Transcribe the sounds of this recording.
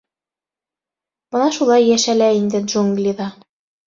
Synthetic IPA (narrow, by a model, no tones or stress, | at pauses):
b̥ɤ̆nɑʃulˠɑjːæʃælæind̪ɘd̪ʒuŋɡlʲiðɑ